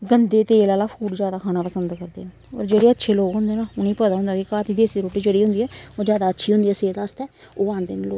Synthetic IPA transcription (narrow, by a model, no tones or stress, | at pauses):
ɡənd̪eːt̪eːlaːlaːpʰuːʈzjaːd̪aːkʰaːnaːpəsənd̪kəɾd̪ḛː | ɔ̰ːɾd͡ʒeːɽeːətːʃʰeːloːkɦʊ̃nd̪eːnaːʊnĩːpəd̪aːɦʊ̃nd̪aːkikaːt̪ʰiːd̪eːsiɾoːʈiːd͡ʒəɽiːɦʊ̃nd̪iːɛːoːzjaːd̪aːətːʃʰiːɦʊ̃nd̪iːɛːseːt̪aːst̪ɛː | oːãːnd̪enːloː